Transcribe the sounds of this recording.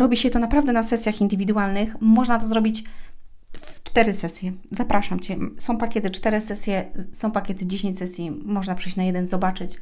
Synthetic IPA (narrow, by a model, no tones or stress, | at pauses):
ɾɔbʲiɕɛt̪ɔnapɾavd̪ɛnasɛsʲjaxind̪ɘvʲid̪uwalnɘxmɔʐnat̪ɔzɾɔbʲit͡ɕ | ft͡ʂt̪ɛɾɘsɛsʲjɛzapɾaʂamt͡ɕɛsɔ̃w̃pakʲɛt̪ɘt͡ʂt̪ɛɾɘsɛsʲjɛsɔ̃w̃pakʲɛt̪ɘd͡ʑeɕẽɲt͡ɕsɛsʲjimɔʐnapʂɘjɕt͡ɕnajɛd̪ɛnzɔbat͡ʂɘt͡ɕ